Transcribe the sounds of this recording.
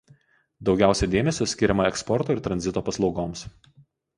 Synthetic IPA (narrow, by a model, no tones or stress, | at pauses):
d̪ɒʊɡʲæˑʊsʲɛd̪ʲeːmʲɛsʲosʲkʲɪɾʲɛmɐɛkspɔɾt̪oːɪɾt̪ɾɐnʲzʲɪt̪oːpɐslˠɒʊɡoːms